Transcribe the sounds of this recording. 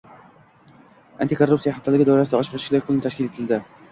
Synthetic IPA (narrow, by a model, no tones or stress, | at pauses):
a̰nt̪ɪkʰorup̪sijahaft̪ʰalɪɡʲɪd̪awɾasɪd̪aɒʃqʰɑʃɪ̥klaɾkʰʊlɪnɪt̪ʰaʃkʲɪle̞t̪ʰɪld̪ɪ